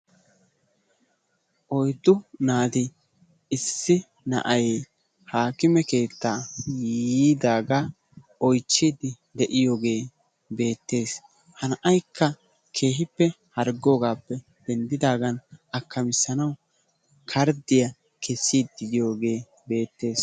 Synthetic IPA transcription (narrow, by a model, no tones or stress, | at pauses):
ʔɔjd̪ːʊnaːd̪ɪ | ɪsːɪ | nɐ̰ʔɐj | haːkɪmɛke̞ːt̪ːaːjiːd̪aːɡa | ɔjt͡ʃːiːd̪ɪ | d̪ɛʔɪjo̞ːɡe̞ː | be̞ːt̪ːe̞ːs | hɐnʔɐjkʰːɐ | kʰe̞ːɦɪpːɛ | hɐɾɡoːɡaːpːɛ | d̪̥ɛnd̪ɪd̪aːɡɐnʔɐkːɐmɪsːɐnɐw | kʰɐɾd̪ɪjɐ | kʰɛsːiːd̪d̪ɪd̪ɪjo̞ːɡe̞ː | be̞ːt̪ːe̞ːs